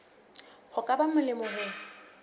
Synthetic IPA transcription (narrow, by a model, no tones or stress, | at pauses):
hʊkʼabamʊlɪmɔɦʊ